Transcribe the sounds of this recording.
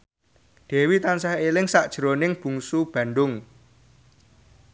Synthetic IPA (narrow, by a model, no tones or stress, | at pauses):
ɖ̥e̤wit̪ansaɦelɪŋsaʔd̥ʒ̥ɾonɪŋb̥ṳŋsub̥ä̤nɖʊŋ